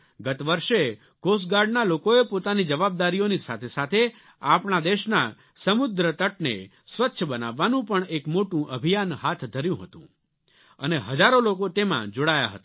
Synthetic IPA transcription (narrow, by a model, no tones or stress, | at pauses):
ɡət̪ʋəɾʃe | ɡos̬ɡaɾɖnalokoepot̪anid͡ʒəʋab̚d̪aɾijonisat̪ʰesat̪ʰe | apɳ̃ad̪eʃna | səmʊd̪ɾət̪əʈ̚nḛ | sʋətːʃʰəbənaʋːanũpəɳekmoʈũʔəbʱijanɦat̪ʰd̪ʱəɾjũɦət̪ṵ̃ | ə̰neɦəd͡ʒaɾolokot̪emã̰d͡ʒoɽaja̰ɦə̰t̪a